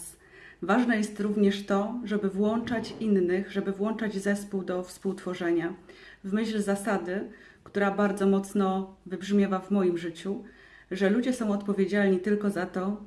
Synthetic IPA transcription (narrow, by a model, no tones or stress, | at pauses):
s | vaʐnɛjɛst̪ɾuvɲɛʂt̪ɔʐɛbɘvwɔnt͡ʂat͡ɕinːɘɣʐɛbɘvwɔnt͡ʂad͡ʑzɛspuwd̪ɔfspuwt̪fɔʐɛɲa | vmɘɕlzasad̪ɘ | kt̪uɾabaɾd̪zɔmɔt̪snɔvɘbʐmʲjavavmɔjimʐɘt͡ɕu | ʐɛlud͡ʑɛsɔ̃w̃ɔt̪pɔvʲjed͡ʑalɲit̪ɘlkɔzat̪ɔ